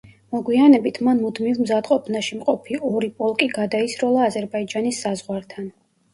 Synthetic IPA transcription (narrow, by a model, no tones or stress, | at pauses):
mɔɡwianɛbit̪ʰmanmud̪milmzad̪qʼɔpʰnaʃimqʼɔpʰiɔɾipʼɔlˠkʼiɡad̪aisɾɔlˠaːzɛɾbaid͡ʒanisːazʁwaɾt̪ʰan